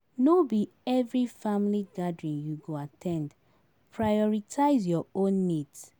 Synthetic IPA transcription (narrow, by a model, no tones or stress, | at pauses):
nobi | ɛvɹifãmliɡadɹĩnjuɡoatʰɛ̃nd | pʰɹajɔɹitʰaɪzjɔõnːids